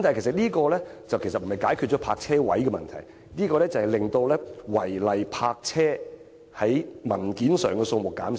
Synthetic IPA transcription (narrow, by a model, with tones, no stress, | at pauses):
mt̪aː˨ke˨˩sɐ˨t̚liː˥kɔː˧lɛː˥t͡sɐ˨wke˨˩sɐ˨t̚m̩˨˩hɐ˨jkaː˨˥jkʰyː˨˧t̚t͡ʃɔː˨˦˥pʰa̰ː˧k̚t͡sʰɛː˥wɐ̰˨˥jkɛ˧mɐ̰˨nt̪ʰɐ̰˨˩j | niː˥kɔː˧lɛː˥t͡sɐ˨hɐ˨jlɪ˨ŋt̪o˧wlɛː˥wɐ˨˩jlɐ˨jpʰaː˧k̚t͡sʰɛː˥ | hɐ˨˥jmɐ˨˩nkiː˨˥nsœ̰ː˨ŋkɛː˧so˧ŋmʊ˨kːa̰ː˨˥m